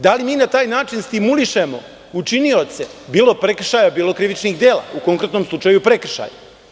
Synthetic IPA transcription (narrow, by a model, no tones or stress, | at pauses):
d̪alimiːnat̪aːjnaːt͡ʃinst̪imuliʃemo̞̰ | ut͡ʃinio̞t̪se̞biːlo̞pɾe̞kr̩ʃajabiːlˠo̞kɾiʋit͡ʃniɣd̪e̞ːla̰uko̞ŋkɾe̞t̪no̞mslˠut͡ʂajupɾe̞kr̩ʃa̰ːja̰